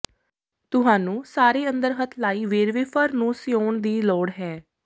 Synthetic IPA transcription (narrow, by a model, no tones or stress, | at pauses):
t̪ʊɦãːnũːsaːɾeːə̃nd̪əɾɦət̪ʰlaːiːʋeːɾʋeːpʰəɾnũːsɪoːɳd̪iːlɔːɽɦɛː